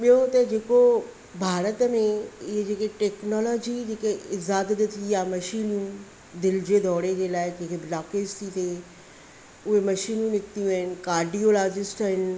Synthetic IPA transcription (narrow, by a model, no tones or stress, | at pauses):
ɓijot̪ɐd͡ʑeːko | bʱaːɾət̪əmẽɪɦed͡ʑeːkeʈeːknɔːlɔːd͡ʑid͡ʑeːkeɪzaːd̪d̪t̪ʰijamɐʃiːnũ | d̪ɪld͡ʑed̪ʱɔːɽed͡ʑeːlaːɪd͡ʑekeblaːkeːst̪ʰit̪ʰe | ʊɦemɐʃiːnũnɪkt̪ijũɦɪnɪ̆kaːɾɖiːolaːd͡ʑɪsʈaɦɪnɪ̆